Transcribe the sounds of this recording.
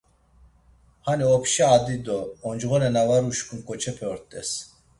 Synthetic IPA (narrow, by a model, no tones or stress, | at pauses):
haniɔpʰʃaaːd̪id̪ɔːnd͡ʒɣɔnɛnavaɾuʃkʰʼumkʰʼɔt͡ʃʰɛpʰɛɔɾt̪ʼɛs